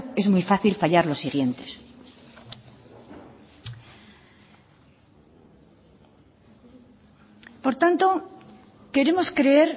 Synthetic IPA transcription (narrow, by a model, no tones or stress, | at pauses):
e̞zmwijfaθilfaʎaɾlo̞siɣ̞je̞nt̪e̞̥s | po̞ɾt̪ant̪o̞ | ke̞ɾe̞mo̞skɾe̞e̞ɾ